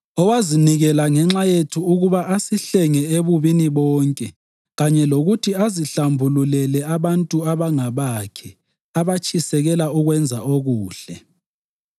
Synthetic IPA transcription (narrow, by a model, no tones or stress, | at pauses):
ɔwaziniɣɛlaŋɛŋ͡ǁajetʰuːɣuβaʔasiɬɛŋɛeβuβiniβɔːŋkʼɛ | ɣaɲɛloɣutʰiaziɬambʱululɛlɛaβantʼuaβaŋaβakʰɛ | aβat͡ʃʼisɛɣɛlauɣwɛnd͡zʱa̰oɣuːɬɛ̰